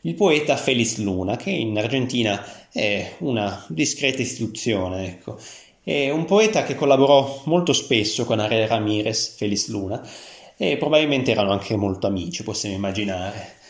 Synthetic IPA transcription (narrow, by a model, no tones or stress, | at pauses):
ilpoɛːt̪afelisluːnak̟ʰeinard͡ʒent̪iːnaɛunad̪iskɾɛːt̪aist̪i̥t̪ut̪sːjoːneɛkʰːo | ɛumpoɛːt̪akekːolːaboɾɔmolt̪ospesːokonaɾeramiːɾesfelisluːna | epːɾobabilmẽnt̪eɛːɾanoaŋkʰemolt̪oamiːt͡ʃiposːjamoimːad͡ʒinaːɾe